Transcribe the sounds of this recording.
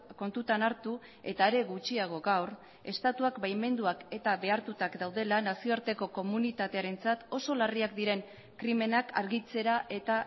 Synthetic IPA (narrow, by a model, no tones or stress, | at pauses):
ko̞nt̪ut̪anaɾt̪u | e̞t̪aeɾe̞ɣut͡ʃiaɣ̞o̞ɣawr | e̞st̪at̪uakbajme̞nd̪uake̞t̪aβe̞aɾt̪ut̪akd̪awð̞e̞lanasio̞aɾt̪e̞ko̞ko̞munit̪at̪e̞aɾe̞nt͡sat̪o̞so̞lariakd̪iɾe̞ŋ | kɾime̞nakʰa̰ɾɣit͡se̞ɾaʔe̞t̪a